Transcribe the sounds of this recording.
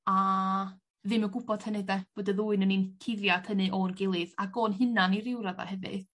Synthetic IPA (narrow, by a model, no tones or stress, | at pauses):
a | ðɪməɡʊbɔd̥hənɛdɛb̥oːdɛðuːɨnəninkʰɪðjad̥ʰənɨʔorɡɪlˠɨðaɡoːnɦɨnaniɾɪwɾaða̰hɛvɨ̰ð